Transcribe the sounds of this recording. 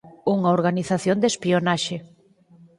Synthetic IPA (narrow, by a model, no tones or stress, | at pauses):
uŋɐoɾɣaniθaθjond̪espionaʃe